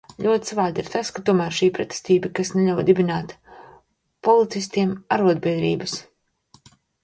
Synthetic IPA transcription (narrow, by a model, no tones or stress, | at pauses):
ʎʲuɔt̪ʲsvaːd̪iɾt̪askat̪uɔmæːɾʃiːpɾɛt̪e̥st̪iːbakasneʎʲawd̪ibʲinaːt̪ | pɔlˠit̪sist̪iɛmaɾuɔd̪̚bʲiɛd̪ɾḭːbas